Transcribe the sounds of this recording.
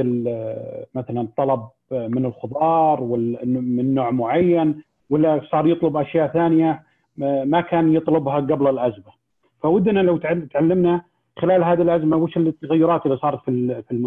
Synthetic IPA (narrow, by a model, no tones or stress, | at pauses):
ɪl | maθalant̪ˤːɑlɑb̚ | mɪnɪlxʊðˤɑːɾˤwɪlmɪnːoːʕmʊʕajːan | wɪlːasˤɑːɾˤjɨt̪ˤlʊbʔaʃjaːʔθaːnɪja | makaːnjɨt̪ˤlʊbhaɡablɪlʔazma | fawɪd̪ːnalawt̪t̪ʕalːɪmna | xɪlaːlɦaːðilʔazmawɪːʃɪlt̪ːaɣajːʊɾˤɑːt̪ʔɪlːisˤɑːɾˤɑt̪fifilmʊ